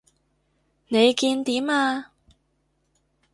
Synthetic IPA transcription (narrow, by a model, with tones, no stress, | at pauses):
ne˨˧jkiː˧nt̪iː˨˥maː˧